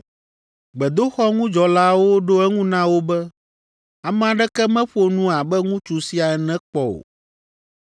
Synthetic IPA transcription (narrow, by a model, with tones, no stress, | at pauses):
ɡ͡bɛ˨d̪o˦xɔ˦ŋũ˦d͡ʒɔ˨la˦wo˦ɖo˦ɛ˦ŋũ˦nã˦wo˦bɛ˦ | a˨mɛ̃˨a˨ɖɛ˦kɛ˦mɛ̃˦ɸo˨nũ˦a˨bɛ˦ŋũ˦t͡ʃu˨si˦a˨ɛ˨nɛ̃˦k͡pɔ˨o̰˨